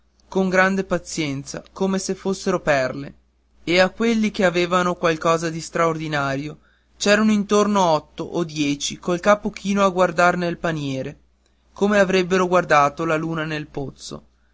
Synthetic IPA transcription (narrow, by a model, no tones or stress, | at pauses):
koŋɡɾand̪epat̪sjɛnt̪sa̰koːmesefːosːeɾopɛrle | eakːwelːikeaveːvanokwalkɔːzad̪ist̪ɾaord̪inaːɾjo | t͡ʃɛːɾanoint̪ornoɔt̪ːoʔod̪jɛːt͡ʃikolkaːpok̟ʰiːnoaɡward̪arnelpanjɛːɾe | koːmeavɾebːeɾoɡward̪aːt̪olaluːnanelpot̪sːo̰